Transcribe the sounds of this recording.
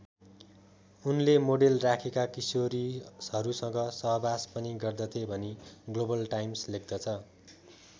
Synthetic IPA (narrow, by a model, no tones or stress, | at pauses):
unlemoɽelrakʰekakisoɾisʌɾusʌ̃ŋɡʌsʌɦʌbaspʌniɡʌrd̪ʌt̪ʰebʱʌniɡlobʌlʈajmslek̚ʰd̪ʌt͡sʰʌ